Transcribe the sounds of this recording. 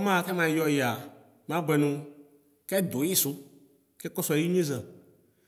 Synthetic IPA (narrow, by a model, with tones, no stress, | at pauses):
mã˦˨kɛ˦mã˨jɔ˦ja˨ | mã˦ɡ͡bɛ˨nũ˨ | kɛ˦d̪o˨˦ɲi˦su˦ | kɛ˦kɔ˦sɔ˦i˦ɲĩ˦zɛ̃˨